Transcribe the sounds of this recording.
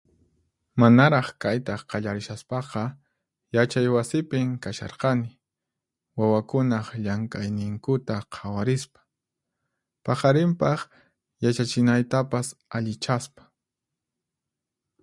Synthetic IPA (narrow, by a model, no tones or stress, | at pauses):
manaɾɑχkajt̪ɑqɑʎaɾɪʃaspɑqɑ | jat͡ʃajwasɪpɪŋkaʃɑ̰ɾqɑnɪ | wawakʊnɑχʎaŋkajnɪŋkʊt̪aqʰawaɾɪspḁ | pɑqɑɾɪmpɑχ | jat͡ʃat͡ʃɪnajt̪apasaʎɪt͡ʃaspḁ